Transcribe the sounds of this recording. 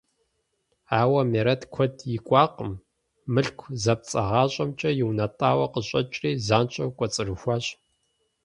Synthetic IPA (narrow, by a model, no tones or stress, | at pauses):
aːwɐmeɾɐtkʷʰɔtʰjɪkʷʼɑːqəmː | ɨɬkʷʰzɐp̚t͡sʼɐ̰ʁɑːɕʼɐmt͡ʃʼɐjɪwnɐtʼaːwɐqəɕʼɐt͡ʃʼriːzaːnt͡ʃʷʼɐwkʷʼɔt͡sʼɨrɨxʷaːɕʼ